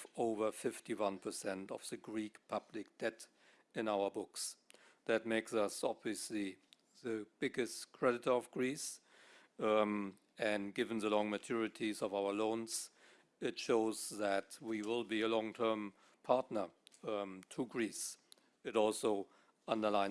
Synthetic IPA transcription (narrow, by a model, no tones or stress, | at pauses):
oʊvə˞fɪftiwʌ̃npʰə˞sɛ̃ntʌ̰v̥ðɨɡɹikpʰʌblɪk̚d̥ɛt | ɨ̃naʊə˞bʊks | ðɨt̚meɪksʌsɑbviɨsli | ðɨb̥ɪɡɨstkʰɹ̥ɛɾɨtə˞ʌvɡɹis | ɨ̃nɡɪṽn̩ðəlɔ̃ŋmɨtʰʊɹɨtʰizʌvaʊə˞lõʊ̃nz̥ | ɪtʃoʊzðætwiwɪlˠbiəlɔ̃ŋtʰɜ̃˞m | pʰaɹtⁿnə˞ | tʰuɡɹis | ɨɾɔlˠsoʊ | ʔʌ̃ndə˞lãɪ̃